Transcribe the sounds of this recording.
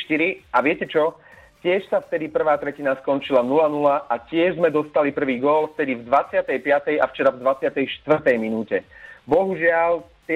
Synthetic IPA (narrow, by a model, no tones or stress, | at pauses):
ʃt̪iɾiaʋɪɛcɛt͡ʃɔ | cɪɛʃsaft̪ɛd̪ipr̩ʋaːt̪ɾɛcinaskɔnt͡ʃilanulanulaʔacɪɛʒzmɛd̪ɔst̪alipr̩ʋiːɡɔlft̪ɛd̪ivd̪ʋat͡sɪat̪ɛjpɪat̪ɛjaft͡ʃɛɾavd̪ʋat͡sɪat̪ɛjʃt̪ʋr̩t̪ɛjminuːcɛbɔɦuʒɪalt̪